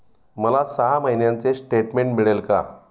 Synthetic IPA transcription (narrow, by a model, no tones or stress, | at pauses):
məlasəɦaməɦinjant͡sesʈeʈmeɳʈmiɭelka̰